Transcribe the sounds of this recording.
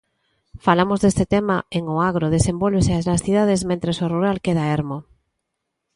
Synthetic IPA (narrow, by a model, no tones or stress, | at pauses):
falamozðest̪et̪emaeŋoaɣ̞ɾoð̞esẽmbolβeseaznasθiðað̞ezmẽnt̪ɾesoruɾalkeð̞aeɾmo